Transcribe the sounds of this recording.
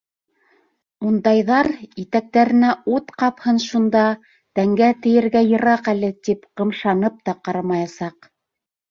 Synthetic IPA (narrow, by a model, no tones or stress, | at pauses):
und̪ɑjðɑɾit̪æk̚t̪æɾɘ̆næut̪qɑphɤnʃund̪ɑ | t̪æŋɡæt̪ɘ̆jɘ̆ɾɡæjɤ̆ɾɑqælɘt̪ipqɤ̆mʃɑnɤp̚t̪ɑqɑɾɑmɑjɑsɑq